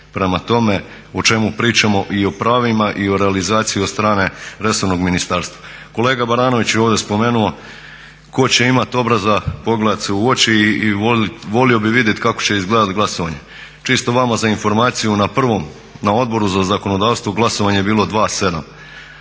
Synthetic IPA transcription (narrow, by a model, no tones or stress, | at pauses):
pɾe̞mat̪o̞me̞ | ot͡ʃe̞mupɾiːt͡ʃamo̞ʔio̞pɾaːʋimaʔio̞ɾealizaːt̪sijiod̪st̪ɾaːne̞ɾe̞so̞ɾno̞ɡminist̪aːɾst̪ʋa | ko̞le̞ːɡabaɾaːno̞ʋit͡ɕeoʋd̪espo̞me̞ːnuo | ko̞t͡ɕe̞imat̪o̞bɾazapo̞ɡleat̪seuot͡ɕioʋo̞lio̞biʋid̪je̞t̪kako̞̥t͡ɕe̞izɡleːd̪at̪ɡlaso̞ʋaɲe̞ | t͡ʃist̪o̞ʋamazainfo̞ɾmaːt̪sijunapr̩ʋo̞m | nao̞d̪̚bo̞ɾuzazako̞nod̪aːʋst̪ʋoɡlˠaso̞ʋaɲebiːlˠo̞d̪ʋaːse̞d̪am